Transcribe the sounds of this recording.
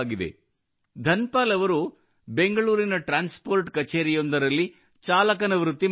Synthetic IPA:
ɡid̪ḛ | d̪ʱɐnpaːlɐʋɐɾu | be̞ŋɡɐɭuːɾinɐʈɾaːnspoːɾʈkɐt͡ʃeːɾijond̪ɐɾɐlːi | t͡ʃaːlɐk̬ɐnɐʋɾut̪ːi

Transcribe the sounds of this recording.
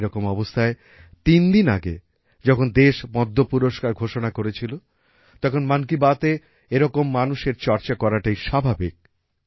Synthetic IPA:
ɾɔkomɔbost̪ʰae | t̪ind̪ina̰ɡḛ | d͡ʑɔkʰond̪eʃmɔd̪ʱːopuɾoʃkaɾɡʱoʃonakoɾet͡ɕʰilo | t̪ɔkʰonmankibat̪e | eɾɔkomːanuʃeɾt͡ɕɔɾt͡ɕakɔɾaʈejʃabʱabik̚

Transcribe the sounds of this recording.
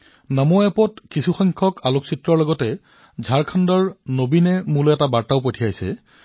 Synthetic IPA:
namɔɛpɔtkisuxɔŋkʰɔkʰaloksitːɹɔɹlɔɡɔtɛ | zʱaɹkʰandɔɹnobinɛmulɛtabaɹtaʊpotʰijajsɛ̰

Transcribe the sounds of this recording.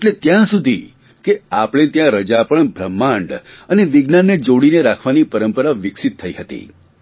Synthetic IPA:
eʈlet̪jãsud̪ʱi | keapɽ̃ẽt̪jãɾəd͡ʒapəɳbʱɾəmːaɳɖəneʋɪɡnanːed͡ʒoɽineɾakʰʋanipəɾəmpəɾaʋɪksit̪ʰːəiɦət̪ḭ

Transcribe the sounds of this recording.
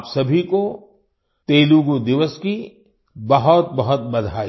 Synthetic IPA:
psɐbʱiko | t̪eːluɡod̪ɪʋəski | bɐɦʊt̪̚bɐɦʊt̪̚bɐd̪ʱaː

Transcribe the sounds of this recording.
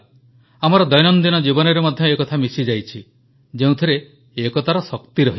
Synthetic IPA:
amɔɾɔd̪ɔjnɔnd̪inɔd͡ʒibɔnɔɾemɔd̪ʱjɔekɔt̪ʰamisid͡ʒajt͡ʃʰi | d͡ʒeũt̪ʰiɾe | ekɔt̪ʰaɾɔsɔkt̪iɾɔɦi

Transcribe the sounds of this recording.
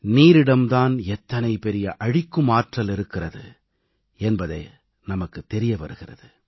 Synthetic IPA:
niːɾɪɽɐmt̪aːnɛt̪ːɐnɐɪpɛɾɪjɐʔɐɻɪkːɯmaːʈrɐlɪɾɯkːɪrɐðɯ̰ | ɛnbɐðɐ̰ɪ | nɐmɐkːɯt̪ːɛɾɪjɐpɐɾɯɣɪrɐ̰ðɯ

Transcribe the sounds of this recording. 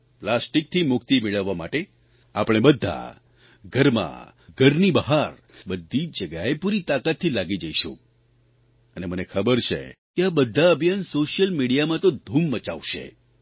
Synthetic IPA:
plasʈik̚t̪ʰimʊkt̪imeɭəʋːamaʈe | apəɽ̃ebəd̪ʱːa̰ | ɡʱəɾmã̰ | ɡʱəɾnibəɦaɾ | bəd̪ʱːit͡ʃd͡ʒəɡjaepuɾit̪akat̪ʰːilaɡid͡ʒəiʃṵ̃ | ənemənekʰəbəɾt͡ʃʰḛkeabəd̪ʱːaəbʱjansoʃjəlmiɽijamãt̪od̪ʱumːət͡ʃa̰ʋʃḛ

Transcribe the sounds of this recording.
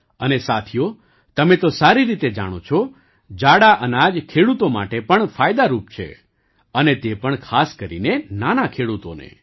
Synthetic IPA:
ənesat̪ʰijo | t̪əmẽt̪osaɾiɾit̪ed͡ʒa̰ɽ̃ot͡ʃʰɔ | d͡ʒaɽaʔənad͡ʒkʰeɽut̪oma̰ʈepəɳfajd̪aɾup̚t͡ʃʰḛ | ənet̪epəɳkʰaskəɾḭnenanakʰeɽut̪o̰nḛ

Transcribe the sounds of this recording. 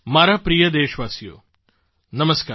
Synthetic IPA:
maːɾapɾijɐd̪eːʃʋaːsijo̰ː | nɐmɐskaː

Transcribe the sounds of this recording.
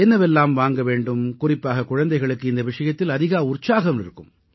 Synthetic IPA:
ɛnːɐʋɛlːaːmʋaːŋɡɐʋeːɳɖɯmkʊrɪpːaːɣɐkʊɻɐnd̪ɐɪɣɐɭɯkːɯɪnd̪ɐʋɪʂɐjɐt̪ːɪlɐðɪɣaːʊrt͡ʃːaːɣɐmɪɾɯkːɯ̰m

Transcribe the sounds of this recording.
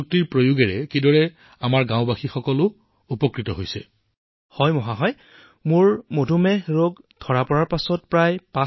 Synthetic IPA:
k̚tiɹpɹojuɡɛɹɛkidɔɹɛ | amaɹɡãw̃baxixɔkɔlʊ | upɔkɹitɔɦojsɛ | hɔjmɔɦaɦɔj | mʊɹmodʱumɛɹoɡdʱɔɹapɔɹaɹpasɔt̚pɹajpa

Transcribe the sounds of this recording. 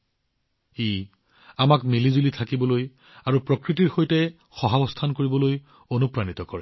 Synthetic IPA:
ej | amakmilizulitʰakibɔloj | aɹupɹɔkɹitiɹxojtɛ | xɔɦabɔstʰankoɹibɔloj | onupɹanit̪ɔkɔɹɛ

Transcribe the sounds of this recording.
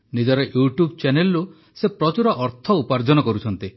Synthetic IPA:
nid͡ʒɔɾeʔjuʈjub̚t͡ʃenelːu | sepɾɔt͡ʃuɾɔʔɔɾt̪ʰɔupaɾd͡ʒɔnɔkɔɾut͡ʃʰɔnt̪i

